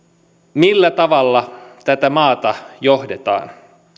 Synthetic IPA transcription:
milːæt̪ɑʋɑlːɑt̪æt̪æmɑːt̪ɑjoɦdet̪ɑ̰ːn

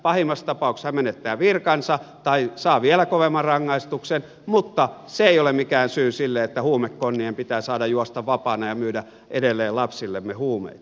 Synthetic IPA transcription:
pɑhimːɑst̪ɑpɑˑukshæmenet̪ːæːʋirkɑnsɑt̪ɑisɑːʋielækoʋemːɑrrɑŋːɑist̪uksen | mut̪ːɑseeˑijolemmikæːnsyːsilːeet̪ːæhuːmekːonːiempit̪æːsɑːdɑjjuost̪ɑʋʋɑpɑːnɑjɑmyːdæ | ʔedelːˑeːllɑpsilːemːehuːmḛit̪

